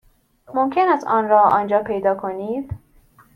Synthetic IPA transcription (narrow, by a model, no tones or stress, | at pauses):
momcʰenæst̪ɒːnɾɒːʔɒːnd͡ʒɒːpʰe̞jd̪ɒːkʰo̞niːd̪̥